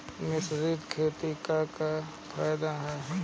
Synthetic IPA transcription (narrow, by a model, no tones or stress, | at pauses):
mɪsd͡ʒid̪kʰeːt̪ikaka | fʰaːjd̪aɦɛ